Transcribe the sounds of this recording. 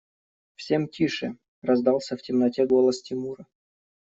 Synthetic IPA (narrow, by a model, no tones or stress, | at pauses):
fsʲe̞mtʲiʂɨ̰ | rɐzd̪ɑlˠsʲəftʲɪmnɐtʲeɡolˠəstʲɪmuɾə